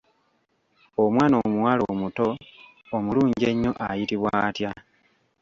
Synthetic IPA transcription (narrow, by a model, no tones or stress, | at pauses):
omwaːnomuwaːlomuto̞ː | muluːɲɟe̞ɲːo̞ʔajitiβwaːtja